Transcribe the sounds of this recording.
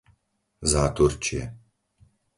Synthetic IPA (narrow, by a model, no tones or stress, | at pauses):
zaːt̪uɾt͡ʃiɛ̰